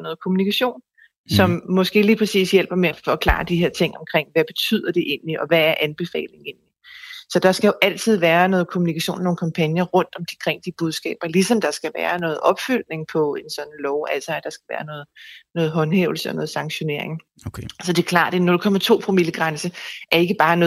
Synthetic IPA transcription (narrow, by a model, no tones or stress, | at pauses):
nɔ̽ːð̩ˠkʰo̝munikʰæɕo̝̰ːn | sɒ̽mːɒ̽sɡ̥e̝̰ːliːpʰʁɛsḭːsjel̰b̥ɐmeæfɒ̽kʰlɑ̰̈ːd̥iɦe̝ɐ̰t͡sʰe̝ŋ̰ɒ̽mkʰʁeŋ̰ʋæb̥e̝t͡sʰy̰ð̞̰ˠɐd̥e̝ʔe̝̰ːnliʔɒ̽ʋææɐʔænb̥e̝fɛ̰ːle̝ŋe̝nlisɒ̽d̥ɑ̈sɡ̥æjo̝ʔæl̰t͡sʰið̞̰ˠʋæːɐnɔ̽ːð̩ˠkʰo̝munikʰæɕo̰ːnmnoːnkʰɑmpʰænjɐʁɔ̽n̰d̥ɒ̽md̥ikʰʁeŋ̰d̥ib̥uð̞ˠsɡ̥ɛ̰ːb̥ɐlisɒ̽md̥ɑ̈sɡ̥æʋæːɐnɔ̽ːð̩ˠʔɒ̽b̥fyl̰ne̝ŋpʰɒ̽e̝nsɒ̽nnlɒʊʔæl̰sɑæd̥ɑ̈sɡ̥æʋæːɐnɔːð̩ˠnɔ̽ːð̩ˠɦɒ̽nheʊl̩səɒnɔ̽ːðˠsɑ̈ŋɕo̝ne̝ɐ̰e̝ŋ | sɒ̽d̥e̝kʰlɑ̰̈ːd̥nɒɾ̥ukʰɒ̽m̰ɐt͡sʰo̝̰ːpʰʁomiləɡ̥ʁansəʔæɐe̝ɡ̥əb̥ɑ̈ːnɔ̽ː